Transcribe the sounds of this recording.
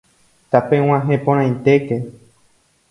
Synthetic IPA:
t̪apẽw̃ãɦepõɾ̃ãj̃t̪eke

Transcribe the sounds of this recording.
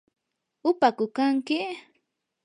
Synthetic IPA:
ʊpakʊkaŋkɪ

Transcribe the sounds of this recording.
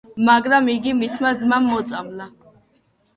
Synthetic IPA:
maɡɾamiɡimismad̪zmamːɔt̪sʼavla

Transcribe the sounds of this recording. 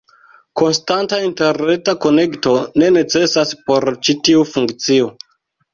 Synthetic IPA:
ko̞nstantainte̞ɾne̞tako̞ne̞kto̞ne̞ne̞t͡se̞saspo̞ɾt͡ʃitiufuŋkt͡sio

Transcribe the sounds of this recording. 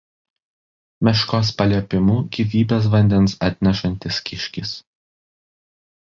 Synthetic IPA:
mʲɛʃkoːspɐlʲɛpʲɪmuːɡʲiːʋʲiːbʲeːs̬ʋɐnʲd̪ʲɛnˑsɐt̪ʲnʲɛʃɐnʲt̪ʲɪskʲɪʃʲkʲɪs

